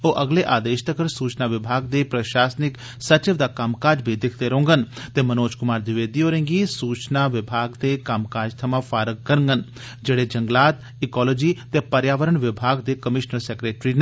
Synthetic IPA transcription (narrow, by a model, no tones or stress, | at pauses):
oːʔɐɡleːʔaːd̪eːʃt̪ʰəkʰəɾsuːt͡ʃnaːʋɪbʱaːɡ̚d̪eːpɾəʃaːsnɪk | sət͡ʃɪʋd̪aːkamkaːd͡ʒbʱid̪ɪkʰd̪eɾõːŋɡənt̪eːmɐnoːd͡ʒkʊmaːɾd̪ɪʋeːd̪iːoːɾẽːŋɡisuːt͡ʃnaːʋɪbʱaːɡd̪eːkɐmkaːd͡ʒt̪ʰɐmãːfʰaːɾək̚kəɾəŋɡən | d͡ʒeːɽeːd͡ʒəŋɡlaːt̪ | ɪkɔːlod͡ʒiːt̪eːpəɾjaːʋəɾəɳʋɪbʱaːɡd̪eːkəmɪʃnəɾsɛːkɾeːʈɾin